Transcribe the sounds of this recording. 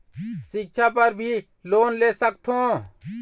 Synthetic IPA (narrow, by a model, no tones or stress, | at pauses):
sɪk̚ʃʰapɐɾbʱi | loːnleːsəkt̪ʰõː